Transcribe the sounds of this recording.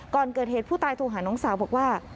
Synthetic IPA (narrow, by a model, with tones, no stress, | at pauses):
kɔː˨˩nkɤː˨˩heː˨˩pʰuː˥˩t̪aː˧jt̪ʰoː˧ŋɦaː˩˦nɔː˩˦ŋsaː˨˩˦wbɔː˨˩k̚waː˥˩